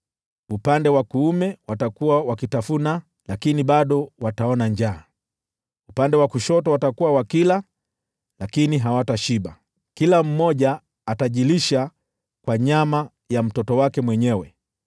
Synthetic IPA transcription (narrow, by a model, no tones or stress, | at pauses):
upandɛwakuumɛwatakuwawakitafuna | lakiniɓaɗɔwataɔnaɲd͡ʒaː | upandɛwakuʃɔtɔwatakuwawakila | lakiniɦawataʃiɓa | kilam̩mɔʄaː | taʄiliʃa | kwaɲama | jam̩tɔtɔwakɛmwɛɲɛwɛ